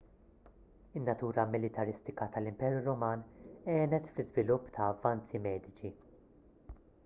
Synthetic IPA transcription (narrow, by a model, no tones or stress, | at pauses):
ɪnːɐt̪uːɾɐmɪlɪt̪ɐɾɪst̪ɪkɐt̪ɐlɪmpɛːɾjuɾɔmɐːnɛːnɛt̪flɪzvɪlʊpːt̪ʰɐːvːɐnt͡simɛːd̪ɪt͡ʃi